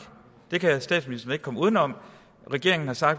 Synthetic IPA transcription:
d̥e̝kʰæsd̥ɛ̰ːdsminisd̥ɐn̩e̝ɡ̥kʰɒ̽muːð̞ˠnɒ̽m̰ | ʁɛɡ̥e̝ɐe̝ŋn̩hɑ̈sɑ̈ɡ̥d̥

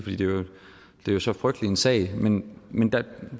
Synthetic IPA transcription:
fd̥ḭːd̥e̝æ | d̥e̝æjosɒ̽fʁœɡ̥̚d̥lie̝nsɛ̰ɪmenmend̥æ

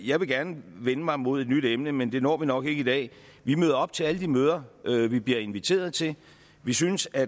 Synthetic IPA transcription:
jɑ̈ɪʋe̝ɡ̥æɐnəʋenəmɑ̈ɪmo̝ð̞̰ˠe̝d̥nyd̥emnəmend̥e̝nɒ̰ːʋinɒ̽ɡ̥e̝ɡ̥əid̥ɛ̰ː | ʋimøːð̞ˠɐɒ̽b̥̚t͡sʰe̝æləd̥imøːð̞ˠɐʔøʋib̥liɐe̝nʋit͡sʰe̝̰ːɐð̞̩ˠt͡sʰe̝l | ʋisynəsæ

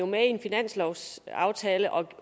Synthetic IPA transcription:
o̝meienfinæn̰slɒʊ̰sɑ̈ʊt͡sʰɛːləʔɒ̽

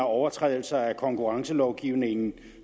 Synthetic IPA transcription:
ɑ̈ɒʊɐt͡sʰʁɛ̰ːðˠl̩sɑækʰɒ̽ŋkʰuʁɑ̈ŋsəlɒʊɡ̥iːʊne̝ŋn̩

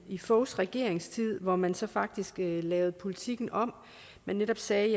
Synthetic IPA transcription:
ifɔʊsʁɛɡ̥e̝ɐ̰e̝ŋst͡sʰið̞̰ˠʋɒmænsɒ̽fɑ̈ɡ̥̚d̥isɡ̥lɛːʊð̩ˠpʰo̝lit͡sʰiɡ̥n̩ɒ̽m̰ | mænːeɾ̥ɒ̽b̥sɛː

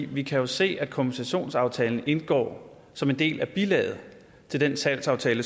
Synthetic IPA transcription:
ʋikʰæjo̝se̝̰ːæd̥kʰom̥ʰnisæɕo̝̰ːnsɑ̈ʊt͡sʰɛːln̩e̝nɡ̥ɒ̰ː | sɒ̽me̝nd̥e̝̰ːlæb̥ilɛ̰ːð̩ˠ | t͡sʰe̝ld̥ensæl̰sɑ̈ʊt͡sʰɛːlə

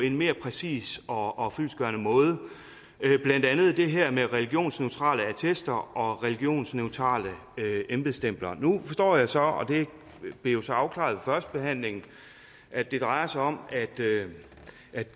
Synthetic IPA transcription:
pʰɒ̽e̝nme̝ːɐpʰʁɛsḭːsɒ̽ʔɒ̽fyl̰sɡ̥ɶɐnəmɔ̽ːð̞ˠə | b̥læn̰d̥ænð̞̩ˠd̥e̝ɦɛɐ̰meʁɛliɡ̥jo̝̰ːnsneʊt͡sʰʁɑ̰̈ːləæt͡sʰesd̥ɐʔɒ̽ʁɛliɡ̥jo̝̰ːnsneʊt͡sʰʁɑ̰̈ːlə | øemb̥ð̩ˠsd̥em̰b̥lɐnufɒsd̥ɒ̰ːjɑ̈ɪsɒ̽ɒ̽d̥e̝ | b̥lejo̝sɒ̽ɑ̈ʊkʰlɑ̰̈ːðˠʋefɶɐsd̥̚b̥e̝ɦæn̰le̝ŋn̩ | ʔæd̥e̝d̥ʁɑ̈ɪɐsɑɪɒ̽mæd̥ø | æ̥

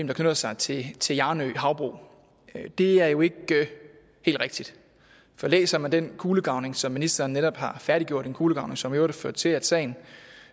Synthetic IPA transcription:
m̩ndɑ̈kʰnød̥ɐsɑ̈ɪt͡sʰe̝t͡sʰe̝jɑ̈ːnø̰ɦɑ̈ʊb̥ʁo̰ː | d̥e̝æɐjo̝e̝ɡ̥ | he̝̰ːld̥ʁeɡ̥̚d̥id̥ | fɒ̽lḛːsɐmænd̥enkʰuːləɡ̥ɑ̈ʊne̝ŋsɒ̽mːinisd̥ɐːn̩ːeɾɒ̽b̥hɑ̈fæɐɾ̥iɡ̥jo̝ɐ̰ɾ̥enkʰuːləɡ̥ɑ̈ʊne̝ŋsɒ̽mjo̝ɐɾeføɐd̥̚t͡sʰe̝læ̥sɛ̰ɪn̩

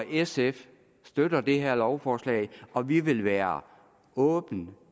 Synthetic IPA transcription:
ʔesef | sd̥ød̥ɐd̥e̝ɦeɐ̰lɒʊfɒːslɛ̰ːɪɒ̽ʋiʋe̝lʋæːɐ | ɔ̽ːb̥n̩

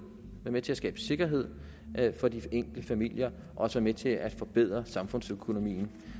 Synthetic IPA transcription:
ʋæɐmet͡sʰe̝æsɡ̥ɛ̰ːb̥əse̝ɡ̥ɐɦe̝ð̰ˠ | fɒ̽d̥ieŋ̰ɡ̥ləfæmil̰jɐ | ʔɒ̽ɒsʋæːɐmet͡sʰe̝ʔæd̥fɒ̽b̥e̝ð̰ˠʁɐsɑ̈mfɔ̽n̰søkʰo̝no̝mḭːn̩

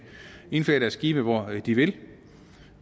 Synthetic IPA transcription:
e̝nfø̰ːɐɾæɐsɡ̥iːb̥əʋɒd̥iʋe̝l

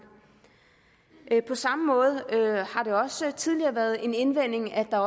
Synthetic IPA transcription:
ʔpʰɒ̽sɑ̈məmɔ̽ːð̞̩ˠøhɑ̈ɾe̝ɒ̽sət͡sʰið̞ˠliɐːʋæːɐð̞̩ˠe̝ne̝nʋen̰e̝ŋæd̥ɑ̈ɒ

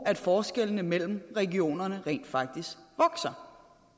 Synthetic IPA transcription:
æd̥fɒːsɡ̥el̰nəmel̰m̩ʁɛɡio̝̰ːnɐnəʁḛːnd̥fɑ̈ɡ̥̚d̥isɡ̥ʋɒ̽ɡ̥sɐ

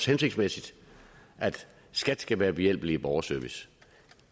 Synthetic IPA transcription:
shense̝ɡ̥smesid̥ʔæd̥ | sɡ̥æd̥sɡ̥æʋæːɐb̥e̝jel̰b̥l̩iib̥ɒʊɐsøɐʋis

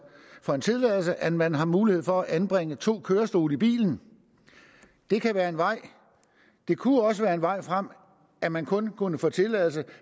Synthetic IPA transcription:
fɒ̽e̝nt͡sʰe̝lɛ̰ːl̩səʔænmænɦɑ̈muːlihe̝ð̰ˠfɒ̽æʔænb̥ʁeŋ̰ət͡sʰo̝̰ːkʰøːɐsd̥o̝ːləib̥ḭːln̩ | d̥e̝kʰæʋæːɐe̝nʋɑ̈ɪ̰ | d̥e̝kʰuɒ̽s̬əʋæːɐe̝nʋɑ̈ɪ̰fʁam̰ | ʔæmænkʰɔ̽nkʰunəfɔ̰ːt͡sʰe̝lɛ̰ːl̩sə

